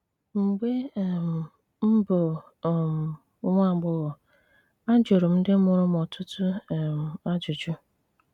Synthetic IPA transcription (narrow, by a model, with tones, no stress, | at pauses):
ŋ͡m̩˨ɡ͡be˦˨m̩˨ | m̩˦bʊ˨ | m˨˦ | ŋʷa˦˨ɡ͡bʊ˦ɣ | a˦d͡ʒo˨ɾʊ˨m̩˦dɪ˦mʊ˨ɾʊ˦mɔ˨tʰʊ˦tʊ˦˨m̩˨a˦d͡ʒʊ˨t͡ʃʊ˦